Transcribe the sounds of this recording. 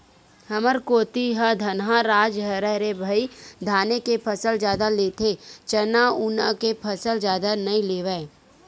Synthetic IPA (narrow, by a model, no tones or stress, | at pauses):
hɐməɾkoːt̪iɦəd̪ʱɐnɦãɾaːd͡ʒɦɐɾəɦɾebʱɐid̪ʱaːnekepʰəsəld͡ʒjaːd̪aleːt̪ʰet͡ʃənaunakepʰɐsəld͡ʒjaːd̪anɐĩleːʋɛː